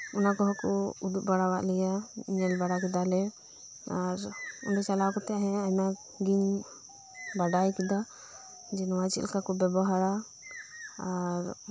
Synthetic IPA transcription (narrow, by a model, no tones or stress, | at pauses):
ɔnakɔɦɔkɔud̪uʔ̚baɽawaʔlɛjaɲɛlbaɽakid̪alɛ | aɾṵnɖɔt͡ʃalakɔt̪ɛɦɛ̃ana | ɡiɲ | baɖajkid̪a | d͡ʒɛnwat͡ʃḭlkakɔbɛbɔɦaɾa | aɾ